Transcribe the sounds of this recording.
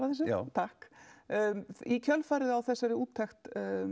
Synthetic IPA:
ɾaθɛsːɪt̪ʰahkː | icʰœlfaːjɾɪðɪawθɛsːaɾɪuːt̪ʰːɛxt̪

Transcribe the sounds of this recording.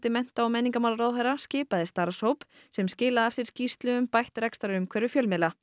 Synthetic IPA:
t̪ɪmɛn̥t̪aawmɛnːiŋkamaːwlaɾawðfajɾascɪːpaðɪst̪aɾshowp | sɛmscɪːlaðɛft̪ɪɾ̥scist̪lʏʏmpajht̪ɾɛkst̪aɾɾʏmkʰvɛɾʏfjœlmɪla

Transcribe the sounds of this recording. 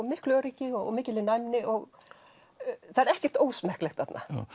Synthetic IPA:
mɪhklœːɾiːcɪɔɣ̰mɪːcɪlɪnajmnɪʔɔɣ | θaðɛɾɛhcɛ̥t̪oːwsmɛhklɛxt̪θat̪na̰

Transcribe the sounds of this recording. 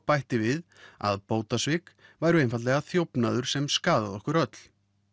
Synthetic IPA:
pajht̪ɪvɪð | a̰ðpoːwt̪asvɪkvaːjɾʏejnfat̪lɛɣaθjowpnaðʏɾ̥sɛmskaːða̰ðɔhkʏɾœt̪l̥

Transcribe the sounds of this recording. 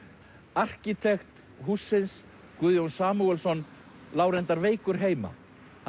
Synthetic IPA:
ar̥cit̪ʰɛxt̪ | ɦusːɪns | kʏðjownsaːmuɛlsɔn | laːwɾɛnt̪aɾveːjkʏɾ̥ɦeːjma̰

